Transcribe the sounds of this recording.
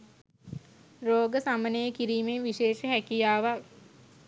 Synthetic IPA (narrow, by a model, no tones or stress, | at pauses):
roːɡəsamənejəkiɾiːmeʋiʃeːʃəɦækijaːʋa